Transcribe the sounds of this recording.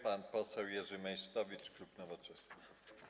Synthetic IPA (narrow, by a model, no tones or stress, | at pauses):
panpɔsɛwjɛʐɘmɛjʂt̪ɔvʲit͡ʂklupnɔvɔt͡ʂɛsnɘ